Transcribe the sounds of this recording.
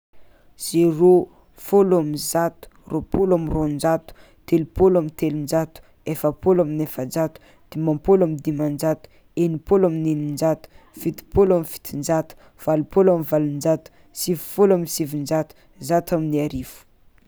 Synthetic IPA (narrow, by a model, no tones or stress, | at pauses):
z̥ero | folamizat̪u̥rʔopolamirond͡ʒat̪u̥ | t̪elupolamint̪elund͡ʒat̪u̥ | efəpolaminefənd͡ʒat̪u̥ | d̪̥imampolamid̪imand͡ʒat̪u̥ | enipolaminenind͡ʒat̪u̥fit̪i̥polamifi̥t̪ind͡ʒat̪u̥ | v̥alupolamivalind͡ʒat̪u̥ | sivufolamisivind͡ʒat̪u̥ | zat̪aminiaɾifu̥